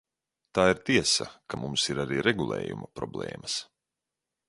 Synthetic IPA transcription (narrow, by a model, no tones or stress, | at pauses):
t̪aːiɾt̪iɛsa̰kamumsiɾaɾiːɾeɡulˠḛːjumɐpɾɔblˠḛːmɐs